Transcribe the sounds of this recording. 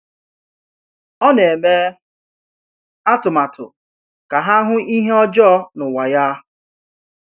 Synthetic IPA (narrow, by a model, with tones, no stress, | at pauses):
ɔ˦ne˨me˦ | a˦tʊ˨ma˨tʊ̰˨ | ka˨ɦa˦ɦʊ˦ʔi˦ɦe˦ɔ˦d͡ʒɔ˦nʊ˨wa˨ja˦